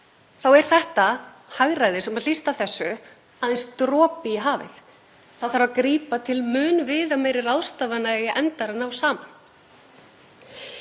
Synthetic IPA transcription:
θawɛɾ̥θɛht̪a | haɣɾajðɪsɛmaðlist̪avθɛsːʏ | aðɛnst̪ɾɔːpiɦaːvɪ̰θ | θaðθaɾvakɾiːpat̪ʰɪlmʏːnvɪːðamejɾɪrawðst̪aːvanaɣɪʔɛnt̪aɾɪnawsaːman

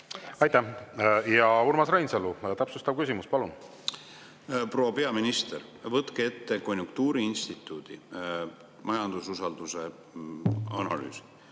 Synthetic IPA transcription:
ɑjt̪æhjɑurmɑsrɑjnselːut̪æpsust̪ɑb̚kysimuspɑlun | pro̞wɑpe̞ɑminist̪eɾvɤt̪ːˑkee̞t̪ːeko̞nʲjuŋk̚t̪uːɾiinst̪it̪ˑːuːd̪̥ḭ | mɑjɑnd̪̥ususɑld̪̥use̞ | ɑ̰nɑ̰ly̰ːsi̥

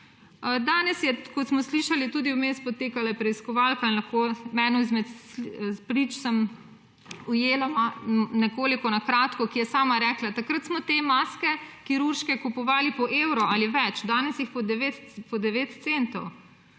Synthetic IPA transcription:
d̪aːnɛsjɛkɔt̪smɔsliːʃalit̪ud̪iwmeːspɔt̪eːkalapɾɛiskɔʋaːlkainlaxkomɛːnɔizmɛt̪ | pɾit͡ʃsəm | ujeːlamanɛkoːlikɔnakɾaːt̪kɔkijɛsaːmaɾɛklat̪akɾət̪smɔt̪emaskɛkiɾuɾʃkɛkupɔʋaːlipɔʔeːwɾɔʔaliʋɛt͡ʃd̪aːnɛsjixpɔd̪ɛʋet̪pɔd̪ɛʋeːt̪t̪sent̪ɔw

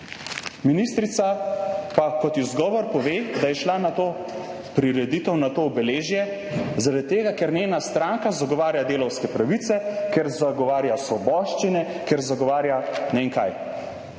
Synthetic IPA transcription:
minist̪ɾit̪sapakɔt̪jizɡɔːʋɔɾpɔʋeːd̪ajɛʃlanat̪oː | pɾiɾɛd̪iːt̪ɛwnat̪oːbɛleːʒjɛ | zaɾad̪̚t̪ːeːɡakɛɾneːnast̪ɾaːŋkazaɡɔʋaːɾjad̪eːlɔwskɛpɾaʋit̪sɛkɛɾzaɡɔʋaːɾjasʋɔbɔːʃt͡ʃinɛ | kɛɾzaɡɔʋaːɾjanɛiŋkaj

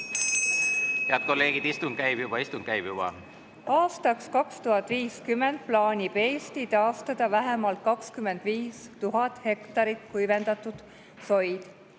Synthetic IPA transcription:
heɑd̪̚ko̞lːe̞ːɡ̥id̪̥ist̪unɡ̥kæjb̥jub̥ɑist̪un̥̚kæjb̥jub̥ɑ̰ | ɑːst̪ɑkskɑkst̪uhɑt̪ːˑviːskymːend̪̥̚plɑːnʲipeːst̪it̪ɑːst̪ɑd̪̥ɑvæɦemɑlt̪̚kɑkskyme̞nd̪̥viːst̪uɦɑt̪ːˑhe̞kt̪ɑɾit̪ˑkujvend̪ɑt̪ud̪̥ | so̞jd̪̥

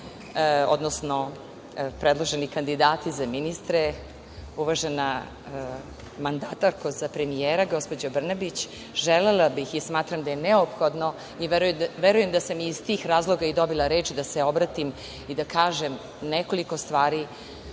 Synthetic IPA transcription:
o̰d̪nosno̞ | pɾed̪lˠoʒenikand̪id̪aːt̪izaminist̪ɾe | uʋaʒena | mand̪aːt̪aɾkozapɾe̞mijeːɾaɡo̞spo̞d͡ʑobr̩nabit͡ɕ | ʒelelabixismaːt̪ɾamd̪ajeneopxod̪no̞ | iʋeɾujeʋeɾujemd̪asamiːz̥t̪iːxɾaːzlˠo̞ɡaid̪o̞bilˠaɾeːt͡ʃid̪aseo̞bɾat̪im | id̪akaːʒem | neko̞liko̞st̪ʋaːɾi

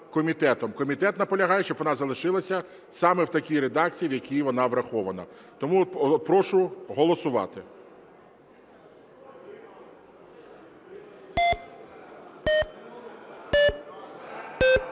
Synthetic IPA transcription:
kɔmʲit̪ɛt̪ɔmkɔmʲit̪ɛt̪nɐpɔlʲɐɦɑjet͡ʃɔbʋɔnɑzɐlˠɪʃɪlˠɐsʲɐ | sɑmɛwt̪ɐkʲiɾed̪ɑk̚t͡sʲijiwjɐkʲijʋɔnɑʋɾɐxɔʋɐnɐ̰ | t̪ɔmuɔt̪ɔpɾɔʃʊɦɔlˠɔsʊʋɑ̰t̪ɪ

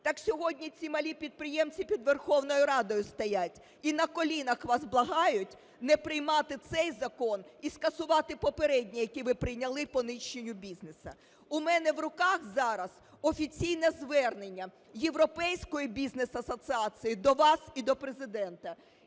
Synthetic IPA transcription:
t̪ɑksʲɔɦɔdʲnʲit͡sʲimɐlʲipʲid̪̚pɾɪjɛmt͡sʲipʲid̪ʋerxɔwnɔjʊɾɑd̪ɔjʊst̪ɐjatʲ | inɐkɔlʲinɐxʋɑzblˠɐɦɑjʊtʲ | nɛpɾɪjmɑt̪ɪt̪sɛjzɐkɔniskɐsʊʋɑt̪ɪpɔpeɾɛdʲnʲijɐkʲiʋɪpɾɪjnʲɐlˠɪpɔnɪʃːenʲːʊbʲiznesɐ | ʊmɛnɛʋrʊkɑxzɑɾɐz̥ | ɔfʲit͡sʲijnɛzʋɛrne̞nʲːɐ | je̞ʋɾɔpɛjsʲkɔjʊbʲiznesɐsɐsɨɑsɨjid̪ɔʋɑsid̪ɔpɾezɪd̪ɛnt̪ɐ

